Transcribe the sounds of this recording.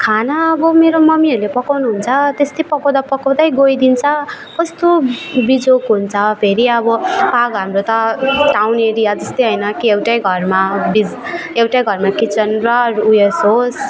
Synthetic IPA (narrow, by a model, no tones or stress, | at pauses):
kʰanaʌbʌmeɾomʌmiʌɾulepʌkawnuɦunt͡sʰʌt̪est̪ʌjpʌkawd̪apʌkawd̪ajɡojd̪int͡sʰʌ | kʌst̪obid͡zokɦunt͡sʰʌpʰeɾiʌbʌpaɡɦamɾot̪ʌʈawneɾijad͡zʌst̪ojɦʌjnʌkiewʈajɡʱʌrmabid͡zewʈajɡʱʌrmakit͡sʌnrʌɾuesɦos